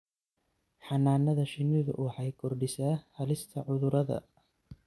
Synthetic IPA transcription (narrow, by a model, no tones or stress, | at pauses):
ħɑnaːnɐðɐʃɪnɪðʊ̰wʊħɑjkʰɔrɖɪsaːhɐlɪst̪ʰɐʕʊðʊɾɐðɐ̰